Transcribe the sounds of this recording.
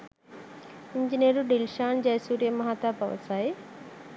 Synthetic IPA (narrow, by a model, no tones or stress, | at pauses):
iɲd͡ʒinijɐɾuɖilʃaːnd͡ʒɐjsuːɾjɐmɐɦaːt̪apɐ̰ʋɐ̰saːj